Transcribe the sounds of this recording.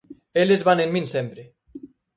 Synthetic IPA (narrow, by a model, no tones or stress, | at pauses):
elezβanenmĩnsempɾe